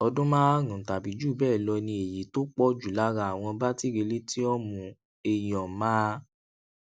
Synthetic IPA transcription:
ɔ˧dũ˦mãː˦ɾũ˨ta˨bi˨d͡ʒu˦˨bɛː˦˨lɔ˧nĩ˧e˨ji˨˦to˦k͡pɔ˦d͡ʒu˨la˦ɾa˧˦˨w̃ɔ̃˧ba˦ti˦ɾe˧le˦ti˦ɔ˦mũ˧ | e˨j̃ɔ̃˨mãː˦

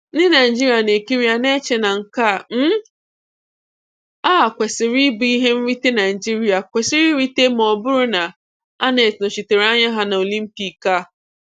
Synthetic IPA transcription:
ɪ˦na˨ɪ˨d͡ʒi˦ɾi˨a˨ne˨ki˦ɾi˦a˨ne˦t͡ʃe˨na˨ŋ̩˨ka˦˨m̩˦ | aː˦˨kʷe˨sɪ˨ɾi˦bu˨˦i˦ɦe˦m̩˦ɾi˦te˦na˨ɪ˨d͡ʒi˦ɾi˨a˨kʷe˨sɪ˦ɾi˦ɾi˦te˦m˨ɔ˨bʊ˦ɾʊ˦na˨ | a˦ne˨tnʊ˨t͡ʃi˨te˨ɾe˨a˦ɲa˦ɦa˦na˨o˨li˦m̩˦pi˨ka˦˨

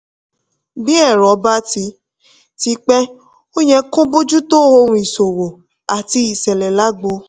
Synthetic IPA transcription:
bi˦ɛ˦˨ɾɔ˨˦ba˦ti˧ | ti˧k͡pɛ˦ | o˦ɲɛ̃˧kõ˦bo˦d͡ʒu˦to˦ho˧ɾũ˧i˨so˨wo˨ | a˨ti˧i˨sɛ˨lɛ˨la˦ɡ͡bo˧

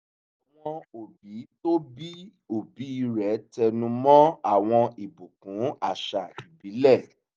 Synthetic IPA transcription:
a˨w̃ɔ̃˧o˨bi˨˦to˦bi˦ | o˨bi˨˦i˨˧ɾɛ˨˦tɛ˧nũ˧mɔ̃˦a˦˨w̃ɔ̃˧i˨bu˨kũ˨˦a˦˨ʃa˨i˨bi˨˦lɛ˦˨

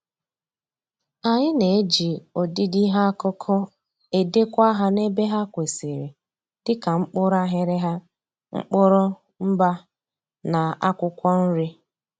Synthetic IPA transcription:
a˨ɲɪ˦ne˨e˦d͡ʒi˨o˨di˦di˦ɦa˦kɔ˦kʰɔ˦ | e˨de˦kʷa˦ɦa˦ne˦be˦ɦa˦kʷe˨se˨ɾe˨ | d̥ɪ˦ka˨ŋ͡m̩˦k͡pʊ˦ɾa˦ɦɪ˦ɾɪ˦ɦa˦ | ŋ͡m̩̰˦k͡pʊ˦ɾɔ˦ | m̩˦ba˦ | na˨a˦kʷʊ˦kʷɔ˦n̩˦ɾɪ˦

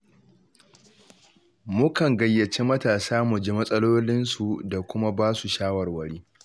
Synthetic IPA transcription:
mʊ˦kɐ˨ŋɡɐ˨jːɐ˨t͡ʃeː˦mɐ˦taː˨saː˦mʊ˨d͡ʒi˦mɐ˦sʼɐ˦loː˦lɪ˦nsu˨da˨kʷʊ˦ma˦baː˦su˨ʃaː˦wɐ˨rwɐ˨ɽiː˦

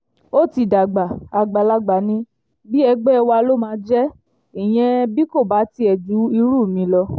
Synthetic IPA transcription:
o˦ti˧˨da˨ɡ͡ba˨a˨ɡ͡ba˨la˦ɡ͡ba˨nĩ˧ | bi˦ɛ˧ɡ͡bɛ˦ɛ˧wa˧lo˦mãː˧˦d͡ʒɛ˦ | i˨j̃ɛ̃˧bi˦ko˦˨ba˨˦ti˧ɛ˨d͡ʒu˨˦i˧ɾu˦˨mĩ˨˧˦lɔ˧

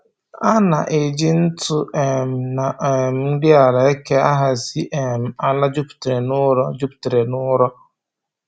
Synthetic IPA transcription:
a˦na˨ʔe˨d͡ʒɪ˦n̩˦tʰʊ˦ʔɛ˨m˨na˨ɛ˨m˦n̩˦dɪ˦a˨la˨ɛ˦kʰɛ˦a˦ɦa˨si˦ʔɛ˨m˨a˨la˦d͡ʒu˦ptɾe˨nʊ˦ɾɔ˦d͡ʒu˦ptɾe˨nʊ˦ɾɔ˦

